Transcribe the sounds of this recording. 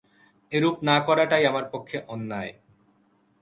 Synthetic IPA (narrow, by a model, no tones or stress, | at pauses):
eɾupnakɔɾaʈajamaɾpokʰːeʔɔnːae